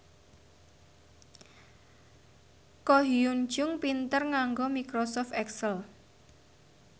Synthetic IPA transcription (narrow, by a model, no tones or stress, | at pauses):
kɔɦiun̥d͡ʒʊŋpint̪ərŋaŋɡɔmikɾɔsɔft̪ɛksəl